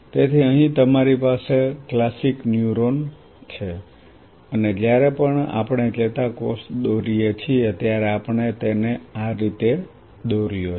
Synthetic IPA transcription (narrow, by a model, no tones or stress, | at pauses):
t̪et̪ʰiəɦĩt̪əmaɾipaseklasiknjuɾon | t͡ʃʰe | əned͡ʒjaɾepəɳa̰pəɳed͡ʒet̪akosd̪oɾijet͡ʃʰieət̪jaɾeapəɳet̪eneaɾit̪e | d̪oɾijo